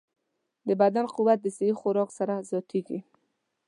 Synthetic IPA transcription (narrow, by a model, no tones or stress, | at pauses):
d̪əbad̪anquwat̪̚d̪əseixʊɾɔksaɾazɔt̪ʰeɡi